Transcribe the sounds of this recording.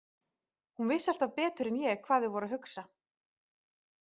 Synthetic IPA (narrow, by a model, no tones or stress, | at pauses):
hunvɪsːal̥t̪avpɛːt̪ʏɾɛnjɛɣkʰv̥aːðɪvɔɾaɦʏksa